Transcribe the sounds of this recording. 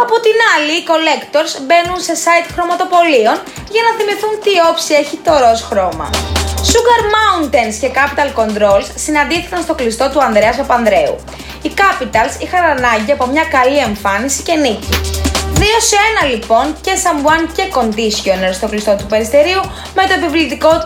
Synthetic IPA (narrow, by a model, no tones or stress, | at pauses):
ɐpo̞t̪inɐliːko̞le̞kt̪o̞ɾzbe̞nunse̞sɐit̪xɾo̞mɐt̪o̞po̞lion | ʝɐnɐθimiθunt̪io̞psie̞çit̪o̞ɾo̞sxɾo̞mɐ̰suɡɐɾmɐunt̪ensce̞kɐpit̪ɐlko̞nd̪ɾo̞lssinɐnd̪iθikɐnst̪o̞klist̪o̞t̪uɐnðɾeɐsɐpɐnðɾe̞ṵ | ikɐpit̪ɐlsixɐnɐnɐɲɟiɐpo̞mɲɐkɐlie̞ɱfɐnisi̥ceniciðio̞se̞nɐlipo̞nce̞sɐmvuɐnce̞ko̞nd̪isçoneɾst̪o̞klist̪o̞t̪upe̞ɾist̪e̞ɾiu | me̞t̪o̞epivlit̪iko̞